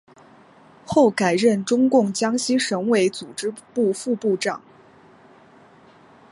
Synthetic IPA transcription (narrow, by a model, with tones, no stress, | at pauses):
xo˥˩ʊka˨˩ɪɻə˥˩nʈ͡ʂʊ˥ŋkʊ˥˩ŋt͡ɕjɑ˥ŋɕi˥ʂɤ˧˥ŋwe˧˥ɪt͡su˨˩ʈ͡ʂɻ̩˥pu˥˧fu˥˧pu˥˧ʈ͡ʂɑ̰˨˩˦ŋ